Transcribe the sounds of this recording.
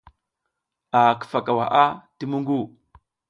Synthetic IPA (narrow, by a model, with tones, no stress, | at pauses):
a˨kə̥˨fa˨ka˨wa˨ʔa˦ti˦mu˦ŋɡu˦˨